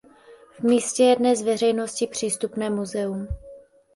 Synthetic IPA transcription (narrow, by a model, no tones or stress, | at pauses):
vmiːscɛjɛdnɛzvɛrɛjno̞scɪpr̝̥iːst̪upnɛːmuzɛum